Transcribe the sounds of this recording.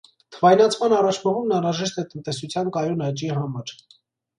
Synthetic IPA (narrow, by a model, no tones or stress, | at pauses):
t̪ʰəvɑjnɑt͡sʰmɑnɑrɑt͡ʃʰməʁumnɑnɾɑʒɛʃt̪ɛt̪ənt̪ɛsut͡sʰjɑnkɑjunɑt͡ʃiɦɑmɑɾ